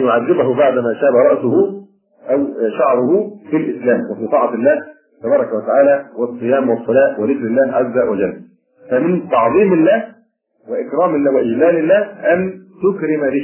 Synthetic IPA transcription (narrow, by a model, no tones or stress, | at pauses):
jʊʕaðːɪbahʊbaʕd̪mæːʃaːbaɾˤɑʔsʊhʊ | ʔawʃɑʕɾˤʊhʊfilʔɪslæːmwafiːt̪ˤɑːʕɑɪlːæːh | t̪ɑbɑːɾˤɑkæwat̪aʕaːlæːwɑsˤːɨjaːmwɑsˤːɑlæːwɪðɪkɾɪlːæːhʕazːawæd͡ʒalː | fæmɪnt̪ɑʕðˤiːmɪlːæːh | wɪʔɪkɾˤɑːmɪlːæːwɪʔɪd͡ʒlæːlɪlːæːhʔænt̪ʊkɾɪmaɾɪ